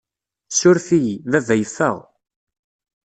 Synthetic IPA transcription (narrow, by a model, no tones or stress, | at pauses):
sʊɾθijðævæjθə̰ʁ